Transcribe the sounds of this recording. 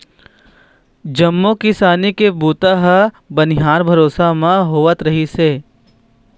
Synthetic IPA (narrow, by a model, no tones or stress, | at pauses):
d͡ʒɐmːokɪsaːnikebuːt̪aɦə | bɐnɪɦaːɾbʱɐɾoːsamãɦoːʋət̪ɾɐɦiseː